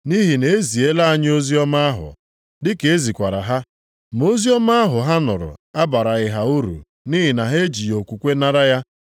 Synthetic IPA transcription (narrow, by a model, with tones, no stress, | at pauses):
ni˦ɦi˨ne˨e˦zi˨e˦la˦a˦ɲ˦o˦zi˦ɔ˦ma˦a˦ɦʊ̰˨ | dɪ˦ke˨e˦zi˨kʷa˨ɾa̰˨ɦa˦ | mo˦zi˦ɔ˦ma˦a˦ɦʊ˨ɦa˦nʊ˨ɾʊ̰˨a˦ba˨ɾa˨ɣɪ˨ɦa˨u˦ɾṵ˨ | ni˦ɦɪ˨na˨ɦe˦e˦d͡ʒi˨jo˨kʷu˨kʷe˦na˦ɾa˦ja˦